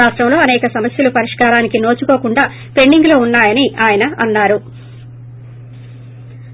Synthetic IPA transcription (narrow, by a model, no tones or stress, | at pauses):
aːʂʈɾɐmlo̞ːɐnɛːkɐsɐmɐsjɐlupɐɾiʂkaːɾaːnikino̞ːt͡ʃuko̞ːkuɳɖaː | pe̞ɳɖiŋɡlo̞ːunːaːjɐniʔaːjɐnɐɐnːaːɾu